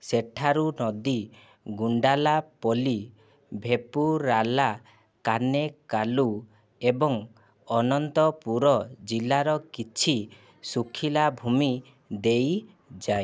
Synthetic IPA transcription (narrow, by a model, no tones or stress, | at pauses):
seʈʰaɾunɔd̪i | ɡuɳɖalapɔli | bʱepuɾala | kanekalu | ebɔŋ | ɔnɔnt̪ɔpuɾɔd͡ʒilaɾɔkit͡ʃʰi | sukʰilabʱumi | d̪ej | d͡ʒae